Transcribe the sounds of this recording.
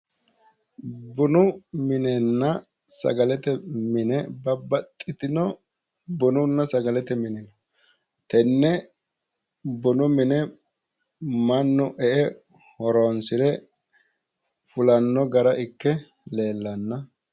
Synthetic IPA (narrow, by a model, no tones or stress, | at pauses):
bʊnʊmɪnɛnːɐ | sɐ̰ɡɐlɛt̪ɛmɪnɛbɐbːɐt̪ʼːɪt̪ɪnɔ | bʊnʊnːɐsɐɡɐlɛt̪ɛmɪnɛnɔ | t̪ɛnːɛ | bʊnʊmɪnɛ | mɐnːʊʔɛʔɛ | hɔɾonsɪɾɛ | fʊlɐnːɔɡɐɾɐʔɪkːɛ | le̞ːlːɐnːɐ